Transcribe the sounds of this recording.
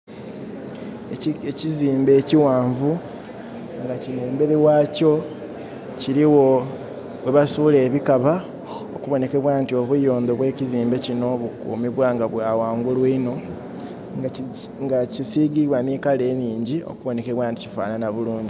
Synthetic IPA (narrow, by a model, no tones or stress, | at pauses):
eciziːmbe̞ːciwaːɱvu | ŋɡacineːmbe̞ɾewaːco̞ | ciɾiwo | we̞βasuːle̞ːβikaβa | o̰kuβo̞ne̞ke̞βwaːntio̞βujo̞ːnd̪o̞βwe̞ːciziːmbe̞cino̞βukṵːmiβwaːŋɡaβwaːwaːŋɡulwiːno̞ | ŋɡacisiːɡiβwaniːkale̞ːmiːɲɟio̞̰kuβo̞ne̞keβwaːnticifa̰ːnanaβuluːɲɟi